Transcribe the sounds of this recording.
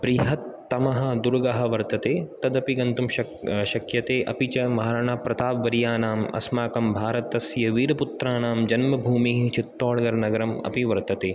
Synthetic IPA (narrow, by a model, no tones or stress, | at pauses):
bɾiɦɐt̪ːɐmɐɦɐ̆d̪uɾɡɐɦɐʋɐɾt̪ɐt̪eːt̪ɐd̪ɐpiɡɐnt̪umɐ | ʃɐkjɐt̪eːʔɐ̰pit͡ʃɐmaɦɾɐɳaːpɾɐt̪aːʋʋɐɾijaːnaːmɐ̰smaːkɐmbʱaːɾɐt̪ɐsjɐʋiːɾɐput̪ɾaːnaːmd͡ʒɐnmɐbʱuːmiːɦt͡ʃit̪ːoːɽɐɡɐɾnɐɡɐɾɐmɐ̰piʋɐɾt̪ɐt̪eː